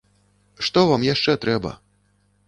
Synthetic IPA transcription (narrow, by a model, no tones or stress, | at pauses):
ʂt̪ɔvamjaʂt͡ʂɛt̪ɾɛbɐ̰